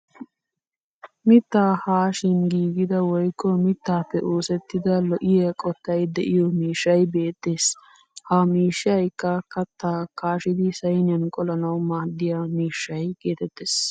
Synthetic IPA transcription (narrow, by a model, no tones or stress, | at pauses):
mɪt̪ːaːhaːʃɪnɡiːɡɪd̪ɐwɔjkːɔmɪt̪ːaːpːɛʔoːsɛt̪ːɪd̪ɐlɔʔɪjɐkʼɔt̪ːɐjd̪ɛʔɪjɔmiːʃːɐjbeːt̪ːe̞ːs | haːmiːʃːɪɐjkːɐkɐt̪ːaːkaːʃɪd̪ɪsɐjnɪjɐnkʼɔlɐnɐwmaːd̪ːɪjaːmiːʃːɐjɡe̞ːt̪ɛt̪ːeːs